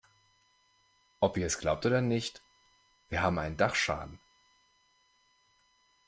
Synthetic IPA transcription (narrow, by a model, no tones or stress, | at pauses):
ʔɔpiːɐɛsɡ̥laʊp̚tʔoːdɐnɪçt | v̥iːɐɦaːbm̩ʔaɪnəndaχʃa̰ːdn̩